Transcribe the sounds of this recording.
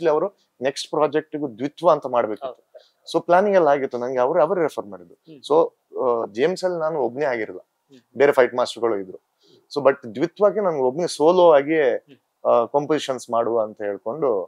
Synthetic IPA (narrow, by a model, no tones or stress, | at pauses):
liɐʋɐɾu | ne̞ksʈpɾaːd͡ʒek̚ʈuɡud̪ʋit̪ʰʋɐːnt̪ɐmaːɽbeːkit̪ːu̥ | soːplʲaːniŋɡɛlːɐaːɡiɾt̪ːunɐnɐɡeɐʋɐɾuɐʋɐɾuɾepʰɐɾmaːɽid̪usoː | d͡ʒiemsɐlːinaːnuobːneaːɡiɾilːɐ | be̞ːɾepʰɐjʈmaːsʈɐɾɡɐɭuid̪ɾu | soːbɐʈːd̪ʋit̪ʰʋaːɡenɐnɡeobːnesoːloːʋaːɡi | kɐmpoziʃɐnsmaːɽuɐnt̪ɐɦeːɭko̞ɳɖu